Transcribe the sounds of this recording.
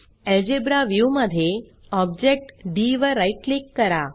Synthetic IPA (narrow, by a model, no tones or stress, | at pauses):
ɛld͡ʒebɾaʋjuməd̪ʱje | ɔb̚d͡ʒek̚ʈɖiʋəɾaiʈ̚likːəɾa